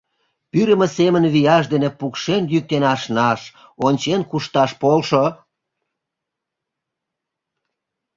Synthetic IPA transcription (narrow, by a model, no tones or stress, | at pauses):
pyɾə̆mesemənβijɑʃd̪enepukʃenjyk̚t̪enɑʃnɑʃ | onʲt͡ɕenkuʃt̪ɑʃpolʃo